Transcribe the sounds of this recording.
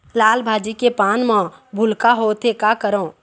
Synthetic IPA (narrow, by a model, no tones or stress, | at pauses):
laːlbʱaːd͡ʒikepaːnmãbʱʊlkaɦoːt̪ʰekakəɾõː